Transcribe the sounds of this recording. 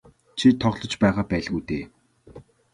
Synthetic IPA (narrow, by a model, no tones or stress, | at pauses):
t͡ɕʰit̪ʰɔʁɮɞ̆t͡ɕpæːʁaːpæːɮɣujt̪eː